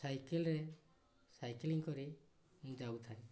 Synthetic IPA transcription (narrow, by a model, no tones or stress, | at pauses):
sajkɛlɾe | sajkliŋkɔɾi | mũd͡ʒawt̪ʰae